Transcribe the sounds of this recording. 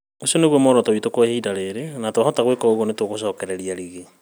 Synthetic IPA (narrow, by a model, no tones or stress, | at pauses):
osioneɣwɔmɔɾɔtowitokwehiːdaɾeɾenatwahɔtaɣwekɔoɣwɔnetwoɣoʃɔːkɛɾɛɾiaɾiɣe